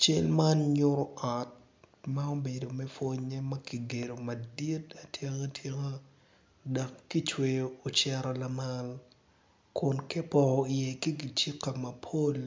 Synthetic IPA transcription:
t͡ʃe˦lma˦nɲʊ˦ɾo˦a˨t̚ | ma˦o˦be˨do˨mɛ˦fo˦ɲɛ˦mɐ˦ki˨ɡe˨ɾo˨mɐ˨di˦ta˨tʰje˦ŋa˦tʰje˦ŋa˦ | da˨kːi˦t͡ʃwe˨joo˨t͡ʃɛ˦ɾɔ˨la˨ma˦l | kʊ˨nkɛ˦pɔ˨ɔ˨ɪ˨je˨ki˦ɡi˨t͡ʃi˦kːa˨mɐ˨pʰo˦l

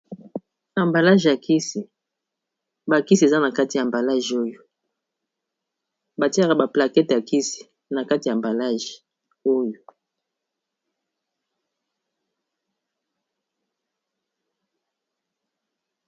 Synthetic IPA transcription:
a˨mba˨la˦ʒa˨ki˦si˨ | ba˨ki˦si˨e˨za˦na˨ka˦ti˨ja˨mba˨la˦ʒo˦jo˨ | ba˨ti˦a˦˨ka˨ba˨pla˨kɛ˦tja˨ki˦si̥˨ | na˨ka˦ti˨ja˨mba˨la˦ʒi˨ | o˦jo˨

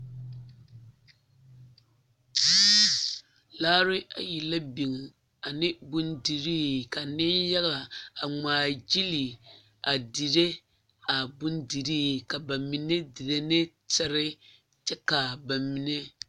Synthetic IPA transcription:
laː˦ɾɪ˦a̰˨ji˨la˦bi˨ŋ | a˨nɪ˦bʊ˦ndi˨ɾiː˦ka˨nɪ˦nja˦ɣla˨a˨ŋ͡maː˨d͡ʒi˦li˨ | a˨di˨ɾe˦ | a˨bʊ˦ndi˨ɾiː˦ka˨ba˨mi˨ne˦di˨ɾe˦nɪ˦ | tɛ˦ɾɪ˦ | t͡ʃɛ˦ka˨ba˨mi˨ne˦

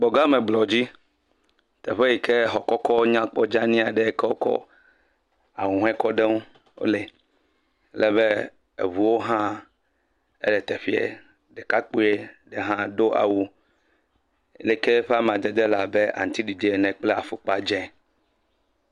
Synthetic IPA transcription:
ɡ͡bɔ˨ɡa˦me˨ɡ͡blɔ˨d͡ʑi˦ | t̪ɛ̰˨ɸe˦ji˨ke˦ɦɔ˨kɔ˦kɔ˦ɲã˦k͡pɔ˦d͡ʒa˦nĩ˦a˨ɖe˨˦kɛ˦wo˦kɔ̰˦ | a˨wũ˨ɦɛ̃˦kɔ˦ɖe˦ŋũ˦ | wo̰˦le˨ | lɛ˨be˦ | ḛ˨βu˨wo˦ɦã˦ | ḛ˦ɖɛ˨t̪ɛ˨ɸi˦ḛ˨ | ɖɛ˨ka˦k͡po˦e˦ɖe˨ɦã˦ɖo˦ʔa̰˨wu˦ | le˨ke˦ɸe˦a˦m˨ã˨d̪e˨d̪e˦la˨be˦ʔa̰˨ŋ˨t̪i˦ɖi˨d̪e˨e˨nɛ̃˨k͡plɛ˦a˨fo˨k͡pa˦d͡ʒɛ̃˦

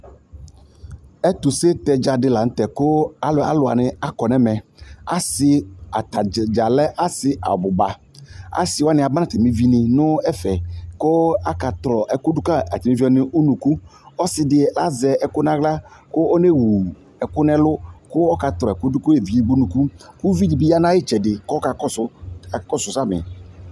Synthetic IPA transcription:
e˦t̪u˨se˦t̪ɛ˨d͡ʒa˨dɪ˦la˨ŋ̩˦t̪ɛ˨kʊ˦a˨la̰˨lʊ˨a̰˨nɪ̃˨a˦kɔ˨nɛ̃˦mɛ̃˨a̰˦sɪ˨a˨t̪a˨d͡ʒa˨lɛ˦ʔa˦sɪ˨ʔa̰˨bʊ˨ba˨ | a̰˦sɪ˨wa˦nɪ̃˨a˨ba˦nã˦t̪ɛ˨mĩ˦vi˦nɪ̃˨nʊ̃˦ɛ˦fɛ˨kʊ˦a˦ka˨t̪ɾɔ˨ʔɛ˨kʊ˦dʊ˦ka˦a̰˨ti˨mi˦vi˦ɔ˦nɪ˦ʔu˦nũ˨ku˦ɔ˦sɪ˨dɪ˨la˦zɛ˨ɛ˨kʊ˦nã˦ɡla˦kʊ˦ɔ˦ne˦wu˨ | ɛ˨kʊ˦nɛ˦lʊ˦kʊ˦ɔ˦ka˨t̪ɾɔ˨ɛ˨kʊ˦dʊ˦kʊ˦e˨vi˨˦e˦ɡ͡bu˦nũ˨ku˦ku˦vi˦di˨bi˦ja˦nã˦jɪ˦t͡ʃɛ˨dɪ˨kɔ˦ka˨kɔ˦sʊ˦˨kɔ˦˨sʊ˨sa˦˨mɪ̰˨

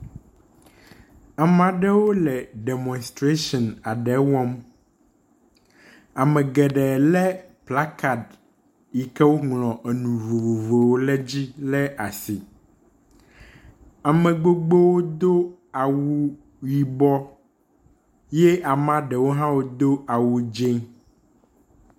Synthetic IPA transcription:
a˨mã˨ɖɛ˦wo˦lɛ˨ɖe˨mɔ̃˨nst̪ɾe˦ʃɔ̃˨na˨ɖɛ˨˦wɔ̃˦m | a˨mɛ̃˨ɡɛ˨ɖɛ˨lɛ˦pla˦ka˨d | i˨kɛ˦wo˦ŋlɔ̃˨ʔe˨nũ˨vo˨vo˨vo˨wo˦lɛ˦d͡ʑi˦lɛ˦ʔa˨si˨ | a˨mɛ̃˨ɡ͡bo˦ɡ͡be˦wo˦d̪o˦a˨wu˦ | wi˨bɔ˦ | jɛ˦a˨mã˦ɖɛ˨wo˦ɦã˦wo˦d̪o˦ʔa˨wu˨d͡ʒẽ˦ŋ

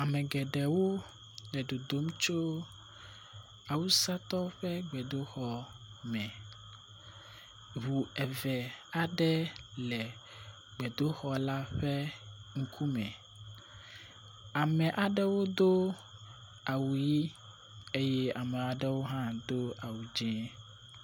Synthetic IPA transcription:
a˨mɛ̃˨ɡɛ˨ɖɛ˨wo˦ | ɖɛ˨ɖo˨d̪o˨˦m˦t͡ʃo˦ | a˨wu˦sa˦t̪ɔ˦ɸɛ˦ɡ͡bɛ˨d̪o˦xɔ˦ | mɛ̃˨ | ɦu˨ɛ˨vɛ˨a˨ɖɛ˦lɛ˨ | ɡ͡bɛ˨d̪o˦xɔ˦la˦ɸɛ˦ŋ̩˦kʰu˦mɛ̃˨ | a˨mɛ̃˨ʔa˨ɖɛ˦wo˦d̪o˦ | a˨wu˨ji˦ | e˦jɛ˦a˨mɛ̃˨a˨ɖɛ˦wo˦ɦã˦d̪o˦ʔa˨wu˨d͡ʒɛ̃˦

